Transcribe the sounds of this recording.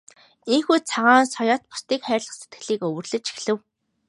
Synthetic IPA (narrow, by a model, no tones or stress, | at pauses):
iŋxuːt͡sʰaʁaːnsɔjɔːt̪̚pʊ̥st̪iːkχæːrʲɮə̆χset̪̚ɡɘ̆ɮiːkɵwɵ̆rɮɘ̆t͡ɕi̥xɮɘ̆w